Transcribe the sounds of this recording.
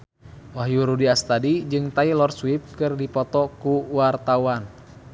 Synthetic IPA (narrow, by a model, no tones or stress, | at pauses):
waɦjuɾudiast̪adid͡ʒɨŋt̪ailɔrswip̚kɨrdipɔt̪ɔkuwart̪auan